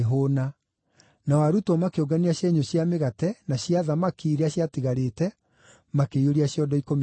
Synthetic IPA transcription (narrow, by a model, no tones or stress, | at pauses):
ɦona | nawaɾutɔmakeoɡaniaɕjeɲoɕjameɣatɛnaɕjaðamakiːɾeaɕjatiɣaɾetɛ | makeioɾiaɕiɔdɔikom